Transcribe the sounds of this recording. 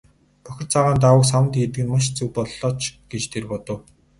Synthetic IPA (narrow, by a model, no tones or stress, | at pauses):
pœxʲɪ̆rt͡sʰaʁaːnt̪awə̆ksawə̆nt̪ːet̪ɘɡɘ̆nmaʃ̬t͡sɵwpɔɮːɔːt͡ɕɡ̥et͡ɕt̪ʰerpɔt̪ɞ̆w